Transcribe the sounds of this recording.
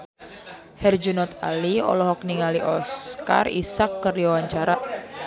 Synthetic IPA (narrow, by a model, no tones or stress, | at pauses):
hɛrd͡ʒunɔt̪a̰liɔ̰lɔɦɔk̚niŋaliʔɔska̰rḭsakːəriwawaɲt͡ʃaɾa